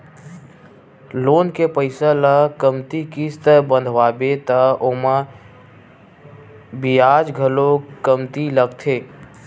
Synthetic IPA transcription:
loːnkepəɪsələkəmt̪ikist̪əbə̃nd̪ʱʋaːbet̪əomã | bijaːd͡ʒɡʱəlokəmt̪iləɡt̪ʰeː

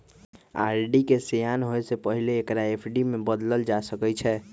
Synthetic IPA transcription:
a̰ɾɖikesejanɦoesepəɦileːkɾaepʰɖimebəd̪ləld͡ʒasəkɛt͡ʃʰɛ

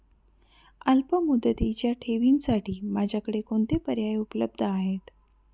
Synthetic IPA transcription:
əlpəmud̪ət̪it͡ɕjaʈʰeʋinsaʈiːmad͡ʑʱjakəɽekoɳt̪epəɾjajupləb̚d̪ʱəaɦet̪

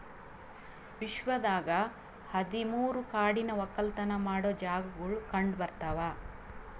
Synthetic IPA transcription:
ʋiʃʋɐd̪aːɡɐ | hɐd̪imuːɾukaːɽinɐʋɐkːɐlt̪ɐnɐmaːɽod͡ʒaːɡɐɡuɭukɐɳɖbɐɾt̪ɐʋaː

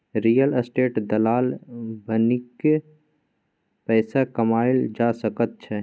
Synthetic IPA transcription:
ɾijələsʈeːʈd̪ɐlaːlbʱənɪke | pɛːsakɐmaːɪld͡ʒaːsɐkət̪̚t͡ʃʰɛ

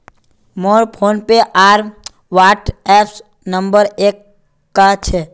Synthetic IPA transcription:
moɾpʰonpeʔaɾ | ʋaʈɛps | nəmbəɾekː | at͡ʃʰe

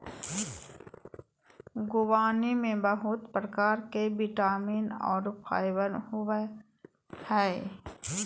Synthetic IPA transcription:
ɡʊwaːnimẽbəɦʊt̪pɾəkaːɾkebiʈaːmiːnɔ̰ːɾpʰa̰ːjwənɦʊe | hɛː

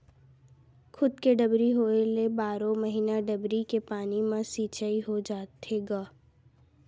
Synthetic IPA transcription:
xʰʊd̪keɖɐbɾiɦoːelebaːɾõmɐɦiːnaɖɐbɾikepaːnimãsiːt͡ʃaiɦod͡ʒaːt̪eɡaː

